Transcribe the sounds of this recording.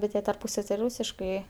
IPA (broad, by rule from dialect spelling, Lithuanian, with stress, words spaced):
bʲɛt ˈjiɛ tɐrˈpuːsɐw tʲɪ ˈruːsʲɪʃkɐɪ